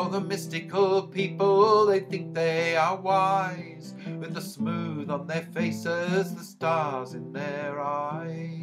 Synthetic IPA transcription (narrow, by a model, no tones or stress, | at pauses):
ðəmɪstɨkəl̩ˠpʰipəl̩ˠðeɪθɪ̃ŋk̚ðeɪə˞waɪ | z̥ | wɨðəsmuðn̩ðə˞feɪsɪzðəstɑɹzɨ̃nðə˞aɪ